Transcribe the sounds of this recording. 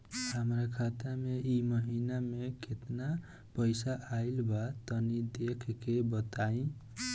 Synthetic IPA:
həmɾakʰat̪ameʔiməɦinameket̪na | pəjsaʔailbat̪ənid̪ekʰkebət̪aĩ

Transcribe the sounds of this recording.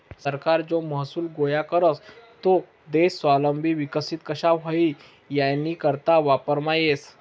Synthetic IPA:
səɾkaɾd͡zoməɦsuːlɡojakəɾəst̪o | d̪essʋaləmbʱiʋikəsit̪̚kəɕaɦəi | janːiːkəɾt̪aʋapəɾmajes

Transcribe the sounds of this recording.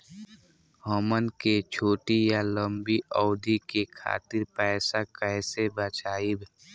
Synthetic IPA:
ɦɔmənket͡ʃʰoːʈijaləmbiɔːʊd̪ikekʰa̰ːt̪ɪɾpɛːsakɛːsebət͡ʃaːib

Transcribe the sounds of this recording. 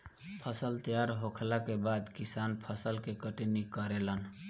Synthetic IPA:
pʰəsəlt̪əjaɾɦokʰlakebad̪kisanpʰəsəlkekəʈinikəɾelən

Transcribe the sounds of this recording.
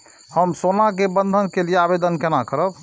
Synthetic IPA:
həmsonakebənd̪ʱənkelijeabed̪ənkenakəɾəb

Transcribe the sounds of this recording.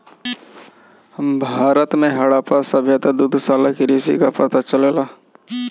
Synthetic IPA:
həmbʱaːɾət̪mẽɦɐɽapasəbʱjət̪ad̪ud̪ʱsaːlakiɾisḭkapət̪at͡ʃəleːlaː

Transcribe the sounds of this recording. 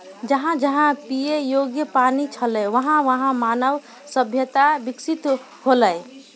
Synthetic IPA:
d͡ʒəɦãd͡ʒəɦãpijejoɡjəpanit͡ʃʰəlɛʋəɦãʋəɦãmanəʋ | səbʱjət̪abiksit̪ | holəj

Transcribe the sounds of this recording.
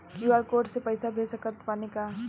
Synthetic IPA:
juːaːɾkoːɾʈsepəɪsabʱeːsəkət̪paːnekaː

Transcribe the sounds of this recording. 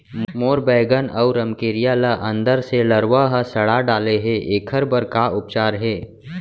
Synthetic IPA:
moːɾbɛːɡənɐʊɾəmkeːɾijaːləʔɐ̃nd̪əɾseləɾʋaɦəsɐɽaɖaːleɦɛʔeːkʰəɾbəɾkaʊp̚t͡ʃaːɾɦɛː

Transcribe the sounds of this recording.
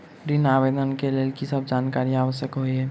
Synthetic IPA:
ɾinaːʋeːd̪ʱənkeleːlkisəb̚d͡ʒaːnkaːɾiaːʋəʃjəkɦoiɦɛː

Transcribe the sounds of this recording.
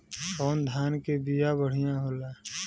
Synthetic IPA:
kɔːnd̪ʱaːnkebijabəɽ̤ijãɦoːlaː

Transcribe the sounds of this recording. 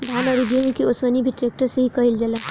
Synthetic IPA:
d̪ʱanʌɾud̪iɦuŋkiosmʌnibiʈrek̚ʈʌseɦikʌɦild͡ʒela

